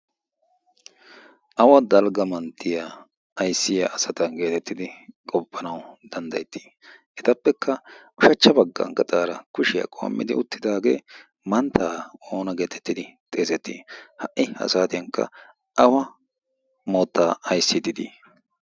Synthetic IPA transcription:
ʔɐwɐd̪ɐlɡɐmɐnt̪ːɪja | ɐjsːɪjɐʔɐsɐt̪ɐɡe̞ːt̪ɛt̪ːɪd̪ɪkʼɔpːɐnɐwd̪̥ɐnd̪ɐjt̪ːi̥ː | ʔɛt̪ɐpːɛkʰːɐʔʊʃɐt͡ʃːɐbɐɡːɐ̰ŋɡɐt͡sʼaːɾɐkʊʃɪjɐ̰kʼo̞̰ːmːɪ̰d̪ɪ̰ʊt̪ːɪd̪aːɡḛː | mɐnt̪ʰːaːoːnɐɡe̞ːt̪ɛ̥t̪ːɪd̪ɪt̪ʼe̞ːzɛt̪ːiːhɐʔɪɐ̰saːt̪ɪjɐŋkːɐ̰ | ʔɐwɐ | moːt̪ːaːɐjsːɪd̪ɪd̪ḭ

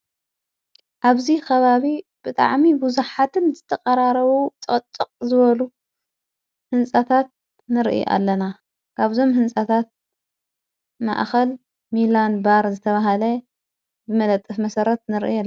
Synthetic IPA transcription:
ʔaβzikʰɐβaβib̥ɨt̪ʼa̰ʕmibuzuħat̪ʰɨnzɨt̪ʰɐqʼɐɾaɾɐβut̪ʼɨt̪ʼːɨqʼzɨβɐlu | hɨnsʼat̪ʰat̪̚ | nɨɾʔḭʔa̰lːɐna | kʰaβzo̞mhɨnsʼat̪ʰat̪̚ | ma̰ʔxɐl | milanbaɾzɨt̪ʰɐβaɦɐlɐ | bɨmɐlɐt̪ʼːɨfmɐsɐɾɐt̪̚nɨɾʔ

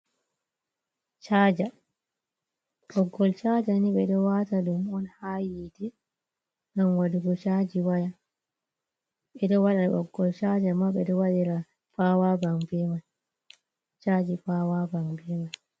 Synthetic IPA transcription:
t͡ʃaːd͡ʒa | ɗɔɡːɔlt͡ʃad͡ʒaniɓɛɗɔwataɗumɔnhajidɛ | ŋɡamwaduɡɔt͡ʃad͡ʒiwaja | ɓɛɗɔwaɗaʔɔ̰ɡːɔlt͡ʃad͡ʒamaɓɛɗɔwaɗɛɾa | pawabaŋbɛman | t͡ʃad͡ʒipawabaŋbɛman

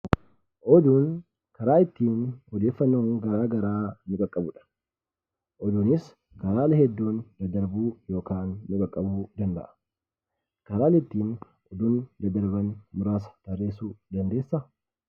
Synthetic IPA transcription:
ʔɔd̪uːn | kɐɾaːɪt̪ːiːnɔd̪e̞ːfːɐnːoːŋɡɐɾaːɡɐɾaːnɪkʼɐkʼːɐbʊᶑɐ̥ | ʔɔd̪uːnɪs | kɐɾaːlɛhɛd̪ːuːnd̪ɐd̪ɐɾbuːjo̞ːkaːnːʊkʼɐkʼːɐbuːd̪ɐnd̪ɐ̰ʔɐ̥ | kɐɾaːlɛɪt̪ːiːn | ɔd̪uːnd̪ɐd̪ɐɾbɐnmʊɾaːsɐ̥t̪ɐrːe̞ːsuːd̪ɐnd̪e̞ːsːɐ

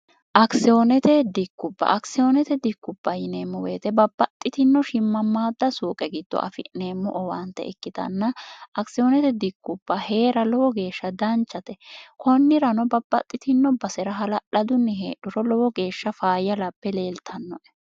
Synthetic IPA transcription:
ʔɐksɪonɛt̪ɛd̪ɪkːʊbːɐ̰ʔɐksɪjonɛt̪ɛd̪ɪkːʊb̥ːɐjɪneːmːɔwḛːt̪ɛbɐbːɐt̪ʼːɪt̪ɪnːɔʃɪmːɐmːaːd̪ːɐsuːkʼɛɡɪd̪̥ːɔ̰ʔɐ̰fɪneːmːɔʔɔwɐnt̪ːɛ̰ɪ̰kːɪt̪ɐ̰nːɐʔɐksɪjɔnɛt̪ɛd̪ɪkːʊb̥ːɐhe̞ːɾɐlɔwɔɡe̞ːʃːɐd̪ɐnt͡ʃːɐt̪ɛkʰɔnːɪɾɐnɔbɐbːɐ̰t̪ʼːɪt̪ɪnːɔbɐsɛɾɐɦɐlɐʔɐd̪ʊnːɛɦḛːɗʊɾɔlɔwɔɡe̞ːʃːɐfaːjɐlɐpːɛle̞ːlt̪ʰɐnːɔʔɛ̥

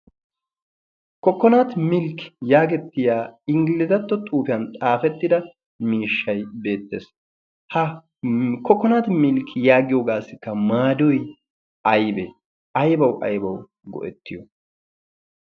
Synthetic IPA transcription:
kɔkːɔnaːt̪mɪlkjaːɡɛt̪ːɪjaːɪŋɡɪlɪzɐt̪ːɔt̪ʼuːpɪjɐnt̪ʼaːfɛt̪ːɪd̪ɐ | miːʃːɐjbe̞ːt̪ːe̞̰ːs | hɐ | kɔkːɔnaːt̪mɪlkʰːɪjaːɡɪjoːɡaːsɪkːɐmaːd̪ɔj | ɐjbɛ | ʔɐjbɐwʔɐ̰jbɐw | ɡɔ̰ʔɛt̪ːɪjɔ

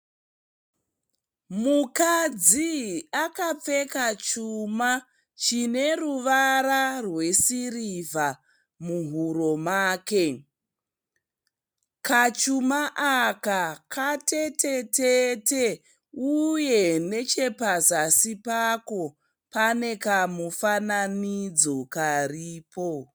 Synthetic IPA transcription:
mukad͡ziakap͡fe̞kat͡ʃuma | t͡ʃine̞ruʋaɾarwe̞siriva | muɦuɾo̞maːke̞ | kat͡ʃumaʔakakʰatetʰe̞tete | uje̞ne̞t͡ʃe̞pazasipako̞ | pane̞kamufananid͡zo̞kariːpo̞

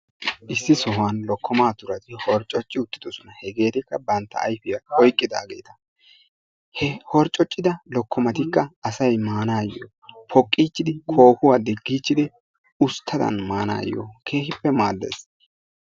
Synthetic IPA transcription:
ʔɪsːɪsɔhanlɔkʰːɔmaːt̪ʊɾɐt̪ɪhɔɾt͡ʃʼːɔt͡ʃʼːɪʊt̪ːɪd̪ɔsɔnɐhɛɡe̞ːt̪ɪkːɐbɐnt̪ːɐ̰ːjfɪjɐhɔjkʼːɪd̪a̰ːɡe̞̰ːt̪ɐ | hɛhɔɾt͡ʃʼːɔt͡ʃʼːɪd̪ɐlɔkːɔmɐt̪ɪkːɐːsɐjmaːnaːjːo̰ːpʰɔkʼːiːt͡ʃːɪd̪ɪkʰo̞ːkʊwaːd̪ɪɡiːt͡ʃːɪd̪ɪ | ʊst̪ʰːɐd̪ɐ̰nmaːna̰ːjːo̰ːkʰe̞ːhɪpːɛmaːd̪ːḛs

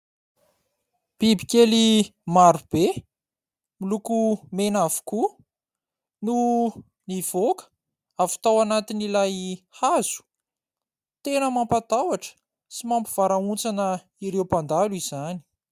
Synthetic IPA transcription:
b̥ibi̥kʲelimaɾub̥e | milukumenavu̥ku | nu | niv̥okə̥ | avi̥t̪awanat̪inilajhaz̥u̥ | t̪enəmampat̪awaʈ͡ʂə̥ | simampiv̥aɾaunt͡sanə | iɾewpand̪aluiz̥ani̥

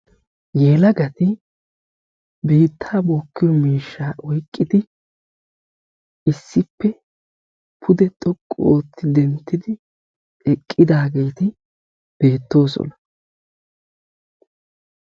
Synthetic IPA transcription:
jeːlɐɡɐt̪ɪ | be̞ːt̪ʰːaːboːkːɪjɔmiːʃːaːwɔjkʼːɪd̪ɪ | ʔɪsːɪpːɛ | pʰʊd̪ɛt̪ʼɔkʼːoːt̪ʰːɪd̪ɛnt̪ːɪd̪ɪ | ɛkʼːɪd̪aːɡe̞ːt̪ɪ | b̥e̞ːt̪ːo̞ːsɔ̰nɐ

